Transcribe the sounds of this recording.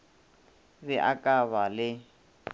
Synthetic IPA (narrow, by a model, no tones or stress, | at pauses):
βɪʔa̰kʼaβalɪ